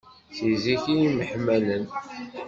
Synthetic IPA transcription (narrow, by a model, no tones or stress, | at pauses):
θiziçijiməħmælən